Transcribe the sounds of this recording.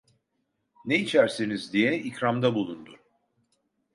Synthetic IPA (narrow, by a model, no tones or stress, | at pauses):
neit͡ʃʰæɾsinizd̪ijɛicɾamd̪abulˠund̪un